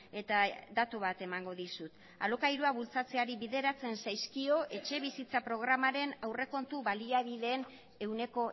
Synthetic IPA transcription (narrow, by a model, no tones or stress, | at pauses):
e̞t̪ad̪at̪uβ̞at̪e̞maŋɡo̞ðisut̪ | a̰lo̞kajɾuaβult͡sat͡se̞aɾiβiðe̞ɾat͡se̞nsajskio̞ʔe̞t͡ʃe̞βisit͡sapɾo̞ɣ̞ɾamaɾe̞nawre̞ko̞nt̪uβaliaβið̞e̞ːn | e̞wne̞ko̞